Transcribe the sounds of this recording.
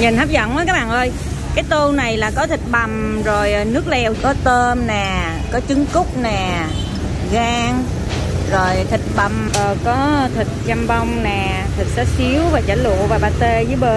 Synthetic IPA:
ɲɨ˨˩nhaː˦˥p̚zə̰˧˨nmə˧˨˦jkaː˦˥k̚ɓaː˨˩nʔəː˧j | kaː˨˦jt̪o˧wna˨˩jlaː˨˩kɔ˨˦t̪ʰï˨˩k̚ɓa˨˩mzo˨˩jʔnɨ˦˥ək̚lɛ˧wkɔ˨˦t̪əː˧mnaː˨˩ | kɔ˨˦t͡ɕɨ˨˦ŋkʊ˦˥k͡p̚naː˨˩ | ɣaː˧ŋ | zo˨˩jt̪ʰï˨˩k̟̚ɓa˨˩mʔəː˨˩kɔ˨˦t̪ʰï˨˩k̚t͡ɕa˧mva˧wŋ͡mnaː˨˩ | t̪ʰi˨˩k̚saː˨˦˥si˨˦əwvaː˨˩t͡ɕaː˧˩lṵ˧˨vaː˨˩ɓaː˧˩t̪e˧zɨː˨˦jɓəː˧˩

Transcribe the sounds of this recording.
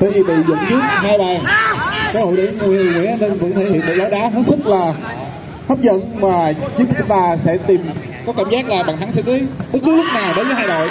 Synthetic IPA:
əː˧˨˩vi˨˩ɓḭ˧˨zʊ̰˧˨ŋ͡mt͡ɕɨ˦˥ək̚ɦaː˧jɓaː˨˩kəː˨˦ho̰˧˨jɗə̰˧˨˦mu˨˩jt̪i˨˩ŋwḭ˧˨ʔa˧˩ne˧nvə̰˧˥nt̪ʰe˧˩hḭ˧˨ənɗ̪əː˧˨˩zaː˨˦ɗaː˨˦ɦəː˨˦˥t̚sɨ˦˥k̚laː˨˩ | hə˦˥p̚zə̰˧˨nmaː˨˩zi˦˥vaː˨˩sɛ̰˧˥t̪i˨˩m | kɔ˨˦kaː˧˩mzaː˦˥k̚laː˨˩ɓa̰ː˧˨ŋt̪ʰa˨˦ŋsɛ˧˩ŋi˨˦ɓɨ˦˥t̚zɨ˦˥lʊ˦˥k͡p̚naː˨˩wɗə˨˦jvəː˨˦jɦaː˧jɗo̰˧˨j

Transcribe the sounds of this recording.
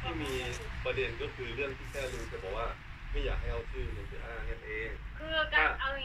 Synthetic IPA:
t̪ʰaː˥˩miː˧pa˧de˧nkɔ˥˩kʰɯː˧ɾɯ˥˩əŋt̪ʰiː˥˩kɛː˥˩luː˧t̪ɛː˨˩bʰɔː˧˩kwaː˥˩ma˥˩˨jaː˨˩k̚ɦa˥˩jʔa˧wt͡ɕʰɯː˥˩nɯ˧˩sɯ˧˩ʔaː˧˩ŋa˧˥nʔeː˧˩ŋkʰɯː˧˩˧ka˨˧˩ʔa˧˩w

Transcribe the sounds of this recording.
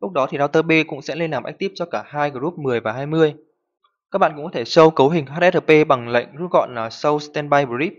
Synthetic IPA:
lʊ˦˥k͡p̚ɗɔ˨˦t̪ʰi˨˩ɗaː˧wt̪əː˧ɓe˧kʊ̰˧˥ŋ͡msɛ̰˧˥le˧nlaː˨˩mʔk̚t̪i˦˥ət͡ɕɔ˧kaː˧˩haː˧jɣə˧˩zu˦˥p̚mɨ˨˩əjvaː˨˩ɦaː˧jmɨ˧əj | kaː˦˥k̚ɓa̰ː˧˨nkʊ̰˧˥kːɔ˨t̪ʰe˧˩sə˧wkə˨˦wɦï˨˩ŋ̟ɦaː˦˥t̚ʔɛ˦˥t̚ə˧˨˩pe˧ɓa˨˩ŋlə̰˧˨jŋ̟zṵ˧˦˥ɣɔ̰˧˨nlaː˨˩sə˧wst̪ɛ˧nɓa˧jɓu˧zi˦˥p̚

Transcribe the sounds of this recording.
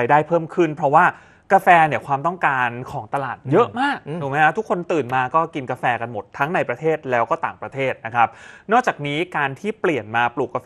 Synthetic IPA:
a˧jdaː˥˩jpʰɤː˥˩mkʰɯ˥˩npʰɾɔ˦˥waː˥˩ | kaː˧fɛː˧ni˧˩əkʰwaː˧mt̪ɔ˥˩ŋkaː˧nkʰɔː˩˦ŋt̪a˧laː˨˩t̪̚jɤ˦˥ʔmaː˥˩k̚duː˨˩˦ma˦˥kʰa˦˥t̪ʰu˦˥kʰːo˧nt̪ɯː˨˩nmaː˧kɔː˥˩ki˧nkaː˧fɛː˧ka˧nmo˨˩t̪ʰːa˦˥ŋna˧jpɾa˧t̪ʰeː˥˩t̪̚lɛː˦˥wkɔː˥˩t̪aː˨˩ŋpɾa˧t̪ʰeː˥˩t̪̚na˦˥kʰa˦˥p̚nɔː˥˩kt͡ɕaː˨˩k̚niː˦˥kaː˧nt̪ʰiː˥˩pli˨˩ənmaː˧pluː˨˩k̚ːa˧

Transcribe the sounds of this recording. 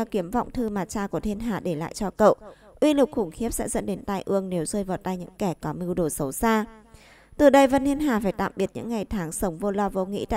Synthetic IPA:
a˧ki˨˦əmvɔ̰˧˨wŋ͡mt̪ʰɨ˧maː˨˩t͡ɕaː˧ku˧˩ət̪ʰe˧nɦaː˨˩ɗe˧˩la̰ː˧˨jt͡ɕɔ˧kə̰˧˨wʔ | ʔwi˧lʊ˨˩k͡p̚xʊ˧˩ŋ͡mxi˦˥əp̚sɛ̰˧˥zə̰˧˥nɗe˨˦nt̪aː˧jʔɨ˧əŋne˨˦wzəː˧jvaː˨˩t̪aː˧jɲɨ̰˧˥ŋkɛ˧˩kɔ˨˦mɨ˧wɗo˧˩sə˨˦wsaː˧ | t̪ɨ˨˩ɗə˧jvə˧˩nt̪ʰi˧ənɦaː˨˩faː˧˩jt̪a̰ː˧˨mɓi˨˩ət̚ɲɨ̰˧˥ŋːa˨˩jt̪ʰaː˨˦ŋsə˨˦wŋ͡mvo˧lɔ˧vo̰˧ŋḭ˧˥t̪a̰ː˧˨

